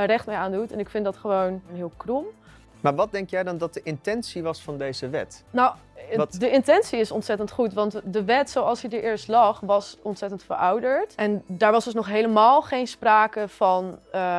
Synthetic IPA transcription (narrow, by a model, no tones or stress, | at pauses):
rɛχtmejaːndutɛnɪkfɪndɑtχəʋownənɦɪːlˠkrum | maːɹʋɑt̚dɛŋkjɛjdɑndɑt̚dəʔɪntɛnsiʋɑsfɑndejzəʋɛ̰tnaw | dəɪntɛnsiɪsɔntsɛtəntχutʋɑntdəʋɛtsowɑlˠsədəʔɪːɹstlɑχʋɑsɔntsɛtəntfə̰ɹʔawdəɹtʔɛndaːɹʋɑsdɵsnɔχɦejləmaːlˠχejnspraːkəfɑn